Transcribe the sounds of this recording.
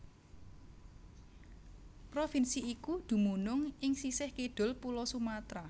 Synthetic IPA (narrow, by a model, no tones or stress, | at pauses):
pɾofinsiikud̪̥ṳmunʊŋɪŋsisɪhkiɖ̪̥ʊ̤lpulɔsumat̪ɾa